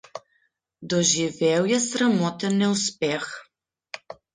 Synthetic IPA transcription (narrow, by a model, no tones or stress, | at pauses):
d̪ɔʒivɛwjasɾamɔt̪ɛnːɛuspɛx